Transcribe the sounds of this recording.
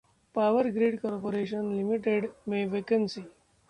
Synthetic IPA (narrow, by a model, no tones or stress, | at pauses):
paʋəɾɡɾeːɖkɔɾpoɾeɕənlimiʈeɖmeʋekənsi